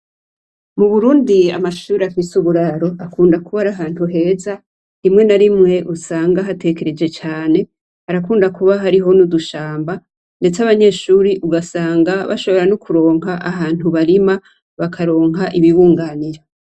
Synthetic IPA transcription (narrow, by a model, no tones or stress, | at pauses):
muβuɾuːndia̰maʃuːɾeafisuβuɾaɾo̞ʔakuːndakuβaɾaɦaːnhuɦe̞ːza | imŋe̞naɾimŋe̞ʔusaːŋɡaɦate̞ke̞ɾe̞d͡ʒe̞t͡ʃaːne̞ | haɾakuːndakuβaɦaɾiɦo̞nuduʃaːmba | nde̞t͡saβaɲe̞ːʃuːɾiʔuɡasaːŋɡaβa̰ʃo̞βo̞ɾanokʰuɾo̞ːŋɦaʔaɦaːn̥huβaɾima | βakʰaɾo̞ːŋɦaʔiβiβuːŋɡaːniɾa